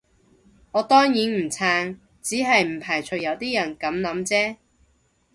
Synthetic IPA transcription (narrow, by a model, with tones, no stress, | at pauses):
ŋɔː˨˧t̪ɔː˥ŋjiː˨˥nm̩˨˩t͡sʰaː˧ŋ | t͡siː˨˥ɦɐ˨jm̩˨˩pʰaː˨˩jt͡ʃʰɵ˧jɐ˨˧wt̪iː˥jɐ˨˩nkɐ˨˧˥mlɐ˨˥mt͡sɛː˥